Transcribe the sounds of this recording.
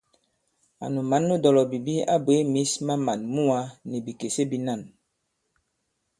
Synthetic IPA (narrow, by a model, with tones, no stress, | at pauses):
a̰˨nu˨ma˨˦nːu˦dɔ˨lɔ˨bi˨bi˦a̰˦be˨˦mi˨˦sma˦ma˨nmu˦a˦ni˨bi˨ke˨se˦bi˦na˦˨n